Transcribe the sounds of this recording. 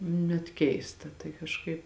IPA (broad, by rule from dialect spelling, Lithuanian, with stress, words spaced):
nʲɛt ˈkʲɛɪstɐ tɐɪ kɐʃˈkɐɪp